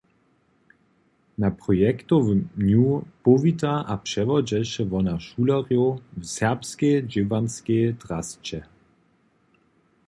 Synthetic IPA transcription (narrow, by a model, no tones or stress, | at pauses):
napʁ̥ɔjɛkt̪ovɲupɔvitaʔapʂɛvɔd͡ʑɛʃɛvɔnaʃulaʁjovsɛʁpskejd͡ʒɪvanskejtʁast͡ɕɛ